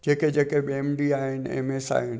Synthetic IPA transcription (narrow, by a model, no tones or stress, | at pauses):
d͡ʑeːked͡ʑeːkebiemɖiaːɦɪnɪ̆ḛmeːsa̰ːɦɪnɪ̆